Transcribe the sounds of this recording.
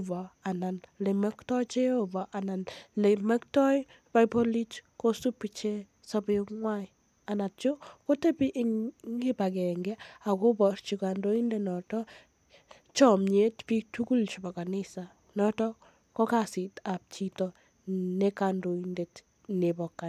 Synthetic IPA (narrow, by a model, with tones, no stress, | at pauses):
vɔ˨a˨na˨nle˨mɛ˦ktɔ˦t͡ʃe˦o˦vɔ˨ʔa˨na˨nle˨mɛ˦k̚tɔ˦j | ba˦jpo˦li˦t͡ʃko˦su˦pi˨t͡ʃe˦ | sɔ˦biŋwa˦j | a˨na˨t̚t͡ʃo˦ko˦te˦bi˦ʔŋŋɡi˦ba˨ɡɛ˨ŋɡɛ˦a˨ko˦bɔ˨ɾt͡ʃika˨ndo˦i˦ndenɔ˨tɔ | t͡ʃɔmɲe˦tpi˦tu˦ku˦lt͡ʃibɔ˨ka˨nɪsa˨ | nɔtɔ˦ | kɔ˦kasita˨p̚t͡ʃitɔ | nekando˨inde˨t | ne˨bɔ˨kːa˨n